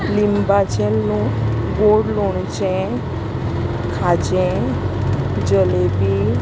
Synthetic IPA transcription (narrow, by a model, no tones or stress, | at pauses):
limbat͡ʃʰelnũ | ɡoɽloɳt͡ʃɛ̃ | kʰad͡ʒẽ | d͡ʒəlebi